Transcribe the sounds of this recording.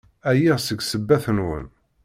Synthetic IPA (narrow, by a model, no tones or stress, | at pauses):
æjiʁsəɡsəbːæθənwə̰n